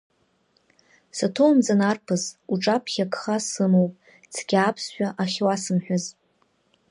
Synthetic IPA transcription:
satʰowmd͡zanarpʰɨzuʈ͡ʂʼapʰχʲakʰχasɨmowpʼ | t͡sʰɡʲaːpʰsʃʷᶣaʔaχʲwasɨmħʷᶣaz

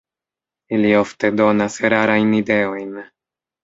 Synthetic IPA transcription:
ilio̞fte̞do̞nasɾaɾajnide̞o̞jn

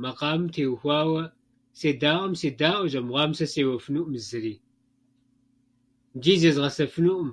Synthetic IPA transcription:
mɐqɑːmmtʰeːwxʷɑːwɐ | seːdaːʔʷɐmseːdaːʔʷɔʒʼɐmʁʷɑːmsɐseːwɐfɨnuʔʊmzɨɾiː | d͡ʒiːzɐzʁɐsɐfɨnuʔʊm

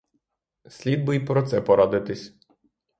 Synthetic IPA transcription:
sʲlʲid̪̚bʊjipɾɔt̪sɛpɔɾad̪ɪt̪ɪsʲ

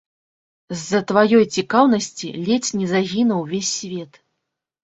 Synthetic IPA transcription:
zːɐt̪vajɔjt͡sʲikawnɐsʲt͡sʲḭlʲɛt͡sʲnʲɛzaɣʲinɐwvʲesʲːvʲɛt̪

